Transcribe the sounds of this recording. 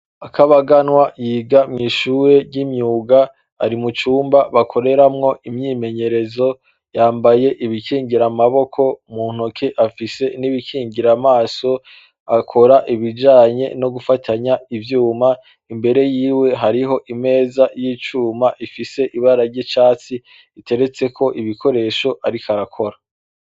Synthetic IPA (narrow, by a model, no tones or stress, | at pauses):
akaβaɡanwajiːɡamŋiːʃuːɾe̞ɟimɲuːɡaː | ɾimut͡ʃuːmbaβakʰo̞ɾe̞ɾamŋo̞ʔimɲiːme̞ɲe̞ɾe̞zo̞ | jaːmbaje̞ʔiβikiːŋɡiɾamaβo̞kʰo̞muːn̥okʰeʔafise̞niβikʰiːŋɟiɾamaːso̞ | akʰo̞ɾaʔiβid͡ʒaːɲe̞̰no̞ɡufatʰaɲaivjuːma | imbe̞ɾe̞jiːwe̞ɦaɾiɦo̞ʔime̞ːzajiːt͡ʃuːmaʔifise̞ʔiβaɾaɾɟet͡ʃaːt͡si | ite̞ɾe̞t͡se̞kʰo̞ʔiβikʰo̞ɾe̞ʃo̞ʔaɾikaɾakʰo̞ɾa